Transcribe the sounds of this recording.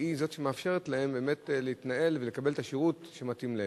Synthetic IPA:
izo̞tʃemeafʃe̞ʁet̪lahe̞mbe̞ːme̞tleit̪naʔe̞lvele̞kabelt̪aʃiʁutʃematimle

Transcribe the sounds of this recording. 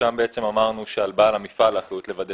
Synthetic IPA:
ambeet͡se̞mamaʁnuʃealbalamifalaχlut̪le̞vad̪e

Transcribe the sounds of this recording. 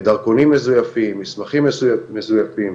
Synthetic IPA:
d̪aʁkonimːezujafimːismaχimːesujamezujafim

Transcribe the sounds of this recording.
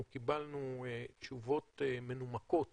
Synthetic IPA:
kibalnut͡ʃuvo̞t̪emenumako̞t

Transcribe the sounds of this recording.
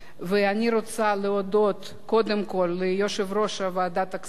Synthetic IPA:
vɛanʲiɾot͡saleod̪ot̪ | ko̞d̪emkolʲːejoʃevroʃɐvead̪at̪ak

